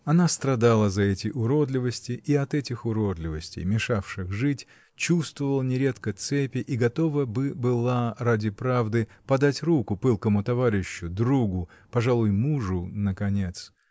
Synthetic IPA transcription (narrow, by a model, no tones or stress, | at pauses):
ɐnast̪ɾɐd̪alˠəzɐɛtʲɪʔʊɾo̞d̪lʲɪvəsʲtʲɪiɐt̪ɛtʲɪxʊɾod̪lʲɪvəsʲtʲɪ̰jmʲɪʂafʂɨxʐɨtʲ | t͡ɕust̪vəvəlˠənʲɪɾʲet̪kət̪sɛpʲɪʔiɡɐt̪o̞vəbɨbɨlˠaradʲɪpɾavd̪ɨpɐd̪atʲrukʊpɨlˠkəmʊt̪ɐvaɾʲɪɕːʊd̪ɾuɡʊ | pɐʐalˠʊjmuʐʊnəkɐnʲet̪s